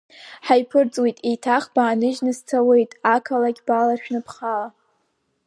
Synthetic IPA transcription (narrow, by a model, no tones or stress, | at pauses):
ħajpʰɨrt͡sʼwejtʼejtʰaχbaːnɨʒnɨzt͡sʰawe̞jtʼakʰalaɡʲbalarʃᶣnɨpʰχala